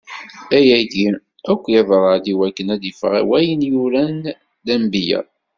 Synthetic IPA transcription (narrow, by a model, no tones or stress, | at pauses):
æjæɡi | ækʷːjæðɾˤəðiwækːənæðifʁæ̰wæjənjuɾæn | d̪æmbijæ̰